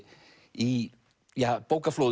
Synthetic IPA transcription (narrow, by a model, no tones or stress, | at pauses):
i | japowkɐflo